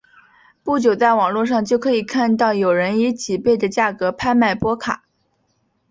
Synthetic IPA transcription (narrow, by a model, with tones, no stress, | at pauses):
pu˥˩t͡ɕjo˨˩ʊt͡sa˥˩ɪwɑ˨˩ŋlwɔ˥˧ʂ̬ɑ˥˧ŋt͡ɕjo˥˩ʊkʰɤ˧˥i˨˩kʰa˥˧nt̪ɑ˥˩ʊjo˨˩ʊɻə˧˥ni˧˥t͡ɕi˨˩pe˥˩ɪd̪ə˩t͡ɕja˥˩kɤ˧˥pʰa˥ɪma˥˩ɪpwɔ˥kʰa̰˨˩˦